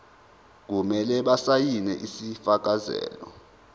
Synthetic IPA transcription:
k̬umɛlɛɓasajinɛ̰ʔisifak̬azɛ̰ːlɔ

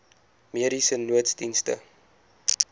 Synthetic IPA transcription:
miəɾisənuətsdinstə̰

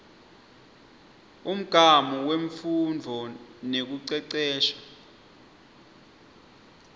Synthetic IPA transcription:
um̩ɡ̥ʱamuweɱfundʱɔnek̬uǀɛǀɛːʃḁ

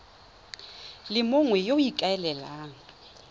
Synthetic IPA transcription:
lɪmʊŋwɛjoikʼaɛlɛlaːŋ̩

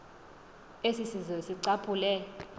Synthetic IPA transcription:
esisizɔsiǀapʰʼulɛ

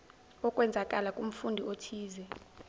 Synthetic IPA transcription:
ɔkʼwɛnd͡zʱakʼalakʼum̩fundʱiotʰiːzɛ

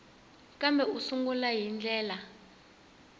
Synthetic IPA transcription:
kambʱɛusuŋɡulajind͡ɮʱɛːla

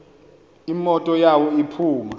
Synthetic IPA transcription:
imɔtʼɔjawɔipʰuːma

